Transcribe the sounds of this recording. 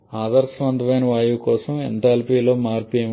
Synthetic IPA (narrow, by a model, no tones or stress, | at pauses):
aːd̪ɐɾsʋɐnd̪ɐʋɐjnɐʋaːjuːkɔːsɐmḛɳʈaːlpiːloːmaːɾpem